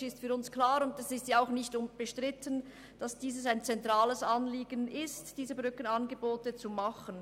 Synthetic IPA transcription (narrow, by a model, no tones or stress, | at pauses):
ɪstfyːɾʊnsklaːɾʊndɛsɪstjaaʊxnɪçtʊnb̥əʃtʁ̥ɪtən | d̥ɑsd̥iːs̬əsaɪnt͡sɛntʁ̥aːləsɑnliːɡənɪstd̥iːzəbʁʏkənɑnɡəboːtət͡sumɑχən